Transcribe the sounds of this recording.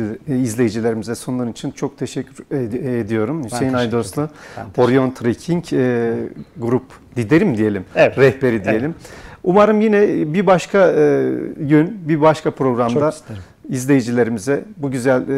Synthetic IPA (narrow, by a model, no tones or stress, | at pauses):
izlʲe̞jid͡ʒilʲe̞ɾimizɛsonuaɾɯnit͡ʃʰint͡ʃʰo̞k̚t̪ʰeʃɛcʰʲːyed̪ijo̞ɾumsejinajd̪oslˠuoɾjont̪ɾecʰiɲcː | ɡuɾup | d̪id̪eɾimd̪ije̞lʲimɾɛhpe̞ɾid̪ije̞lʲimumaɾɯmjinɛbibaʃkʰa | ɟynbibaʃkʰapɾo̞ɡɾamd̪a | izlʲe̞jid͡ʒilʲe̞ɾimizɛbuɟyzælʲ